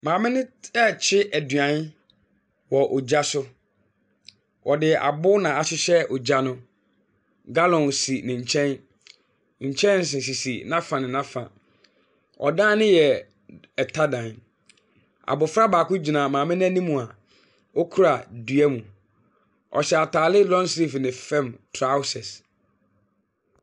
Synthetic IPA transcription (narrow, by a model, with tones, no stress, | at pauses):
mãː˨mɪ̃˦nɪ̃˦ɛ˦t͡ɕʰɪ˦ʔæ˨dɥã˨˦n˦ | wɔ˨ʔɔ˨d͡ʑa˦sʊ˦ | ʔɔ˨dɪ˨a̰˨bʊ˦nã˨a˨ɕɪ˦ɕɛ˦ɔ˨d͡ʑa˦nʊ̃˦ | ɡa˦lɔ̃˨nsi˨nɪ̃˨ɲ̩˨t͡ɕʰɛ̃˦n | ɲ̩˨t͡ɕʰɛ̃˦nn̩˨s̬ɪ̃˨s̬i˨si˨nã˦fã˨nɪ̃˨nã˦fã˨ | ɔ̰˨dãː˦nɪ̃˦jɛ˨ | ɛ˨tʰa˦dã˨n | a̰˨bʊ˨fɾa˦baː˨kʊ˦d͡ʑi˨nã˨mãː˨mɪ̃˦n˦ɛ̃˦nĩ˦mũ˨a˨ | wɔ˦kʰu˦ɾa˨dɥɛ˦mũ˨ | ɔ̰˨ɕɛ˨a˨tʰaː˨lɪ˦lɔ̃˦n˦si˦˨fnɪ̃˨fɛ̃˦˨mtʰɾa˦ʊ˦sɛ˨s